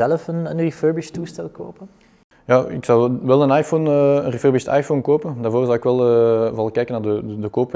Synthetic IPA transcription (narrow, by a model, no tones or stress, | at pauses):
ɛləfənənriføɹbistuːstɛlˠko̰ːpən | jaːɪ̰ksɑwʋɛlˠənaːjfoːnəənriføːrbɪsta̰ːjfonkoːpəndaːrvoːrzɑwɪkʋɛlˠəvɑlˠkɛjkənaːrdəədəkoːp